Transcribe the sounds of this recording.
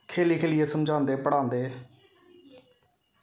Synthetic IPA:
kʰeːliːkʰeːlɪeːsəmd͡ʒãːnd̪eːpəɽãːnd̪eː

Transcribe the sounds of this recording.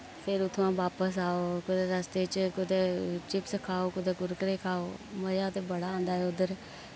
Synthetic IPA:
pʰɪɾʊt̪ʰːãːʋaːpəs̬aːoːkʊd̪eːɾəst̪et͡ʃkʊd̪eːt͡ʃɪpsəkʰaːoːkʊd̪eːkʊɾkəɾeːkʰaːoːməd͡ʒaːʊt̪eːbəɽaːãːnd̪aːɦɛʊd̪əɾ

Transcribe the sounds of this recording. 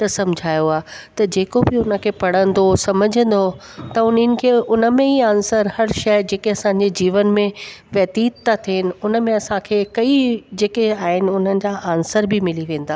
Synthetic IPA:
t̪ɐsɐmʊd͡ʑʱaːjoaːt̪ɐd͡ʑeːkobɪʊnə̆kʰeːpɐɽ̤ə̃n̆d̪osɐməd͡ʑʱə̃nd̪o | t̪ɐʊnənɪ̆kʰeːʊnə̆mẽiãːnsəɾhɐɾʃɐd͡ʑeːkeɐsãɲ̆d͡ʑed͡ʑiːʋənmẽʋɐːt̪iːt̪t̪ːat̪ʰiɦɪnɪ̆ʊnə̆mẽɐsãkʰeːkɐid͡ʑeːkeaːɦɪnɪ̆ʊn̤ənɪ̆d͡ʑaʔaːnsəɾbɪmɪliʋẽːn̆d̪aː

